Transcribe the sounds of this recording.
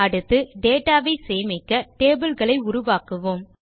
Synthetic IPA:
ɐɽɯt̪ːɯɖeːʈːaːʋɐɪseːjmɪkːɐʈeːbɯlɣɐɭɐɪʊɾʊʋaːkɯʋoːm

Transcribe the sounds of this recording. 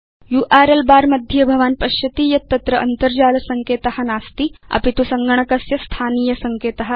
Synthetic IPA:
juːʔaːɾelbaːɾmɐd̪ʱjɐbʱɐʋaːnpɐʃjɐt̪iːjɐt̪ːɐt̪ɾɐʔɐnt̪ɐɾd͡ʒaːlɐsɐŋkeːt̪ɐhɐ̆naːst̪iɐ̰pit̪usɐŋɡɐɳ̃ɐkɐsjɐst̪ʰaːniːjɐsɐŋkeːt̪ɐɦɐ̆

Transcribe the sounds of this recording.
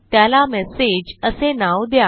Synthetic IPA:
t̪jalamɛsed͡ʑəsenawd̪ja

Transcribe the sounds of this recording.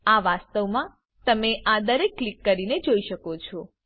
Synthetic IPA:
aʋast̪əʋmã | t̪əmeʔad̪əɾekːlikːəɾined͡ʒoiʃəkot͡ʃʰɔ

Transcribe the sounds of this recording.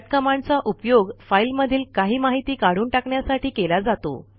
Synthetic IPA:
t̪̚kəmant͡saʔupjoɡfailməd̪ʱiːlkaɦiːmaɦit̪iːkaɽ̤uːɳʈakɳjasaʈʰiːkelad͡zat̪o̰

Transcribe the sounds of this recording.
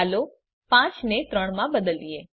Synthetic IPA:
alo | pãt͡ʃnet̪ɾəɽ̃mãbəd̪əlie

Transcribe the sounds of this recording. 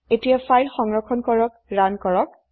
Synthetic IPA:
etijafajlxɔŋɹɔkʰɔnkɔɹɔk̚ɹankɔɹɔk̚

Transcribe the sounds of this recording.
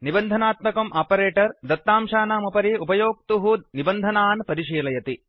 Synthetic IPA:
nibɐnd̪ʱɐnaːt̪mɐkɐmʔaːpɐɾeːʈɐɾd̪ɐt̪ːaːmʃaːnaːmupɐɾiupɐjoːk̚t̪uɦunibɐnd̪ʱɐnaːnpɐɾiʃiːlɐjɐt̪i

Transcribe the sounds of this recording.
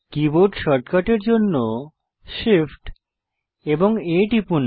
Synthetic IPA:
kiboʈʃɔɾʈkaʈeɾd͡ʑonːo | ʃifʈ | eboŋeʈipun

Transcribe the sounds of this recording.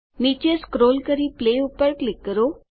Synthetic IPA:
nit͡ʃeskɾoːlkəɾipleupəɾklɪkːəɾo

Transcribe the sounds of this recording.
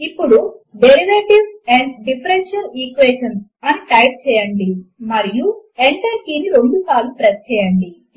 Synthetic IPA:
ipːuɽuɖeɾiʋeːʈiʋɛɳɖɖipʰɾenʃɐlikʋeːʂɐnsɐniʈɐjp̚t͡ʃɛːjɐɳɖimɐɾijueɳʈɐɾkiːniɾoɳɖusaːlupɾest͡ʃɛːjɐɳɖi

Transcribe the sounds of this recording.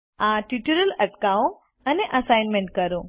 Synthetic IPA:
ãʈiʈuɾəlɐʈkaõ | əneʔəsajnmẽɳʈ̚kəɾũ

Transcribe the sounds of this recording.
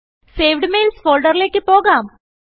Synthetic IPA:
seːʋɖmeːlsfoːlɖɐɾleːkʲːɨpoːɣaːm

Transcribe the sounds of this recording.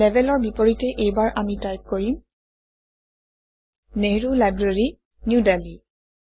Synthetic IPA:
lɛbʱɛlɔɹbipoɹitɛʔejbaɹʔamitajp̚koɹim | neɹulajbɹeɹi | njudali

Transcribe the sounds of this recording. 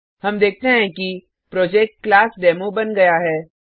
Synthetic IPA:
ɦɐmd̪eːk̚ʰt̪eɦɛ̃ki | pɾɔːd͡ʒɛːk̚ʈ̚klaːsɖɛːmobɐnɡɐjaɦɛː

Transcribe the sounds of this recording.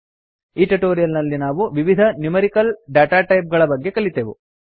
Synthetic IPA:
iːʈeʈoːɾijɐlnɐlːinaːʋuʋiʋid̪ʱɐnjumɐɾikɐlɖaːʈaːʈɐjp̚ɡɐɭɐbɐɡːe̞kɐɭit̪eʋṵ

